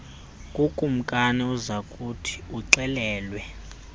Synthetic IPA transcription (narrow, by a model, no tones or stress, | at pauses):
kʼukʼum̩kʼanɛuzakʼutʰi̥uǀɛlɛːlwɛ